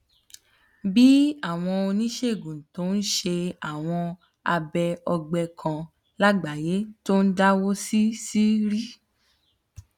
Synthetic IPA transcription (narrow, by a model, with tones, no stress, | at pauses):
bi˦a˦˨w̃ɔ̃˧o˧nĩ˦ʃe˦˨ɡũ˨to˨˦n̩˦ʃe˧a˨w̃ɔ̃˧ | a˧bɛ˧ɔ˧ɡ͡bɛ˧kʰã˧ | la˦ɡ͡ba˨je˨˦to˦n̩˦da˦wo˦si˦si˦ɾi˦